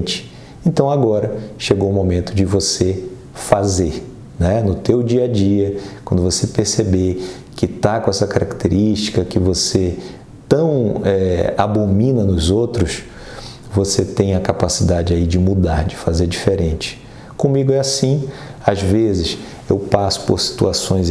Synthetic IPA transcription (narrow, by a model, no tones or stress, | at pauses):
t͡ʃɪ̥ | ẽnt̪ɐ̃w̃aɡɔɾɐʃeɡowʊmomẽnt̪ʊd͡ʒɪvose | fazeɾ | nɛnʊt̪ewd͡ʒiɐd͡ʒiɐkwɐ̃nd̪ʊvosepeɾsebe | kɪt̪akõɛsɐkaɾakt̪ʰeɾiʃt͡ʃi̥kɐkɪvose | t̪ɐ̃w̃ɛa̰bomĩnɐnʊzowt̪ɾʊs | voset̪ẽj̃ɐkapasid̪ad͡ʒɪaid͡ʒɪmud̪aɾd͡ʒɪfazeɾd͡ʒifeɾẽnt͡ʃɪ̥ | kõmiɡʊɛasĩ | azvezɪs | ewpasʊ̥poɾsi̥t̪uasõj̃z